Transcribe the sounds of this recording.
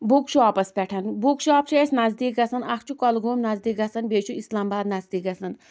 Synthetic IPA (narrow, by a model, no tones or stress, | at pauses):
bukʃʰuaːpɐspʲɛʈʰɐnbukʃaːpt͡ʃʰɐesnɐzd̪iːkɡɐsɐnɐkʰt͡ʃʰukɔlɡoːmnɐzd̪iːkɡɐsɐnbeːt͡ʃʰuislaːmbaːd̪nɐzd̪iːkɐsɐn